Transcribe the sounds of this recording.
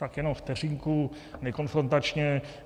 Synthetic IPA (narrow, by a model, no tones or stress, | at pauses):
t̪akjɛnomft̪ɛr̝iŋku | nɛko̞nfɾont̪at͡ʃɲɛ